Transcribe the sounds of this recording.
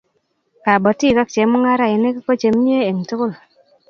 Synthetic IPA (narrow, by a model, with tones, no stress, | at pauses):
ka˨bɔ˨ti˦˨ka˦k̚t͡ʃe˨˦mu˦ŋa˦ɾa˦˨ji˨ne˦ki˦kɔ˦t͡ʃe˨m˦ɲ˦e˦e˨ŋ˨tu˦kʊ˦˨l